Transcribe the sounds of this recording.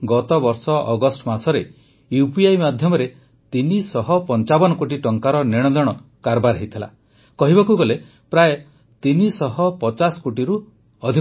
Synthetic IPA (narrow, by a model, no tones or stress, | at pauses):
ɡɔt̪ɔbɔɾsɔʔɔɡɔsʈɔmasɔɾe | jupiajmad̪ʱjɔmɔɾe | t̪inisɔɦɔpɔnt͡ʃabɔnɔkoʈiʈɔŋkaɾɔneɽ̃ɔd̪ɔɽ̃ɔ | kaɾbaɾaɦit̪ʰila̰ | kɔɦibakuɡɔle | pɾaje | t̪inisɔɦɔpɔt͡ʃasɔ̥koʈiɾu | ɔd̪ʱi